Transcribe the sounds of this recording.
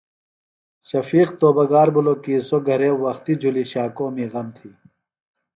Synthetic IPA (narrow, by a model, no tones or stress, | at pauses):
ɕɐfiːqt̪oːbɐɡaːɾbuloːkiːsoɡʱɐɾẽːwɐxt̪id͡ʑʱuliɕaːkõːmiːɣɐmt̪ʰiː